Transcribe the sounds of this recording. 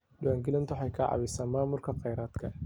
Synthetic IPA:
ɗɪwaːŋɡɪlɪnt̪ʰʊħɑjkʰɐʕɑ̰βɪsaːnmaːmʊrkʰɐqɛjɾaːd̪kʰɐ

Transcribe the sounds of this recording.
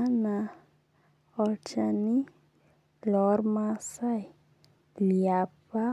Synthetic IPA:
ana | ɔlt͡ʃani | lɔɾmasaj | liapa

